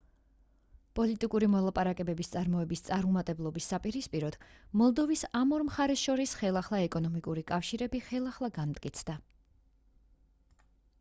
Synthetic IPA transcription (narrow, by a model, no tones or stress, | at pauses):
pʼɔlit̪ʼikʼuɾimɔlˠapʼaɾakʼɛbɛbist̪sʼaɾmɔɛbist̪sʼaɾmɔmat̪ʼɛblˠɔbisːapʼiɾispʼiɾɔd̪̥mɔlˠd̪ɔvisamɔɾmχaɾɛsʃɔɾisχɛlˠaχlˠaɛkʼɔnɔmikʼuɾikʼafʃiɾɛbiχɛlˠaχlˠaɡanmt̪ʼkʼit̪sʰd̪a